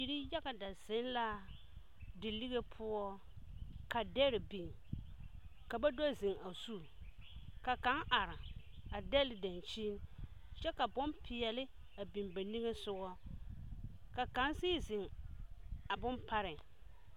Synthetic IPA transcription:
i˨ɾi˦ja˦ɣa˨da˨z̥ɪ˨˦nla˦ | dɪ˨li˦ɣe˦pʰʊ˦ɔ˦ | ka˨dɛ˦ɾɪ˨bi˨n | ka˨ba˦do˦zɪ˨ŋa˨su˦˨ | ka˨ka˦ŋʔa˨ɾɪ˨ | a˨dɛ˦lɪ˨da˨nt͡ʃi˦n | t͡ʃɛ˦ka˨bʊ˦npʰɪ˨ɛ˨lɪ˦ | a˨bi˨mba˨ni˦ŋe˦sʊ˦ɣɔ˦ | ka˨ka˨˦nsiː˦zɪ˨ŋ | a˨bʊ˦npa˦ɾɪ˨

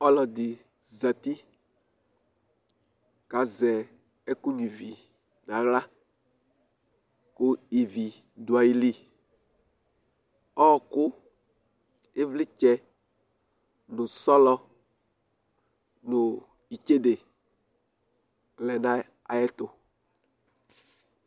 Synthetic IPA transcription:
ɔ˦lɔ˨d̪ɪ˨ | za˨t̪i˦ | ka˨zɛ˨ | ɛ˦ku˦ɲũ˨vi˨ | nã˨ɣla˦ | kʊ˦i˨vi˨ | dʊ˨a˨ji˦li˦ | ɔ˦ɔ˨kʊ˦ | e˦vlɪ˦t͡ʃɛ˦ | nʊ̃˨sɔ˦lɔ˦ | nʊ˨ | i˨t͡ʃe˦de˨ | lɛ˨nã˦ | a̰˨jɛ˦t̪ʊ˨

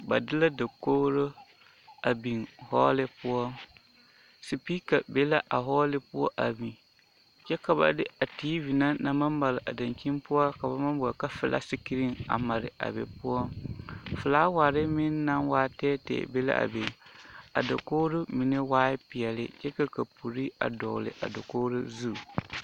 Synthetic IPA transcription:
ba̰˨dɪ˦la˦da˨koː˦ɾo˦ | a˨bi˨ŋhɔː˦lɪ˦pʊ˦ɔ˦ŋ | si˨pi˦ka˨be˦la˦ʔa˨ɦɔː˦lɪ˦pʊ˦ɔ˦ʔa˨bi˨ | t͡ʃɛ˦ka˨ba̰˨dɪ˦a˨tiː˦vi˨na˦na˨ma˦mba˨lɪ˨ʔa˨da˨nt͡ʃi˦npʊ˦ɔ˦ka˨ba˨ma˦m˦bɔ˨ka˦fɪ˨lʔa̰˦si˦ki˦ɾi˦ŋa̰˨ma˨ɾɪ˨a̰˨bḛ˨pʊ˦ɔ˦ŋfɨ˨laː˦wa˨ɾɪ˦mɪ˦nː˦a˦nwaː˦tɛː˦tɛ̰˨be˦la̰˦a̰˨be˨a̰˨da˨koː˦ɾʊ˦mi˨ne˦waː˦ɪ˦pɪ˨ɛ˨lɪ̰˦t͡ʃɛ˦ka˦ka˨pu˨ɾi˦a̰˨dɔ˨lɪ̰˨ʔa̰˨da˨koː˦ɾʊ˦zu˦˨

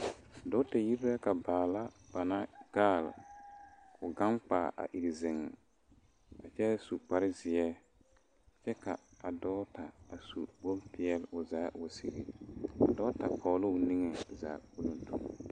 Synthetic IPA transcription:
dɔ˦ta˨ji˦ɾɾɛ˦ka˨baː˨la˦b̥a˨na˦ɡ̥aː˦˨l | ʊ˨ɡa˦ŋk͡paː˨ʔa̰˨ʔi˨ɾzɪ˨ŋɛ˨ | a˨t͡ʃɛ˦su˨k͡pa˦ɾɪ˦zɪ˨ɛ˦˨ | t͡ʃɛ˦ka˨a˨dɔː˦ta˨a˨sṵ˨bo˦mpɪ˦ɛ˦lʊ˨zaː˨˦wʊ˨sḭ˦ɾḭ˨a̰˨dɔː˦ta˨pʰɔː˨˦lʊ˦ʊ˨ni˦ŋɛ˨za̰˨bu˦lo˦n˦tʰṵ˨

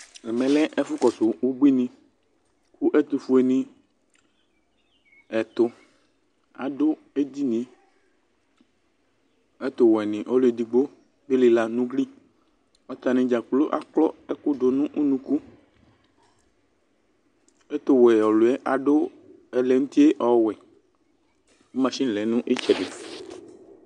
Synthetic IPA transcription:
ɛ˨mɛ̃˨lɛ˦ʔɛ˦fʊ˦kɔ˨so˨wo˦bi˦nĩ˨ | ku˦ʔɛ˦t̪o˨fu˦e˨nĩ˨ | ɛ˨t̪ʊ˨ | a̰˨ɖo˦ | e˦d̪i˦nĩ˨ | ɛ˦t̪o˨wɔ˨ɛ˨nĩ˨ʔɔ˦lo˦e˨d̪i˨ɡ͡bo˦ | be˦li˨la˨nũ˦ɡli˦ | ɔ˦t̪a˨nẽ˨d͡ʒa˨k͡plo˦ʔa̰˨k͡plɔ˦ɛ˦ko˦ɖo˨nũ˦ʔu˦nũ˦ku˦ | e˦t̪o˨wɛ˨ɔ˨lo˨ɛ˦ʔa˨ɖo˦ | ɛ˨lɛ˨ŋũ˦t̪i˦e˦ʔɔ˨˦˨wɛ˨ | e˦mã˨sĩ˦˨lɛ˨˦nũ˦ʔe˦t͡ʃɛ˨be˨

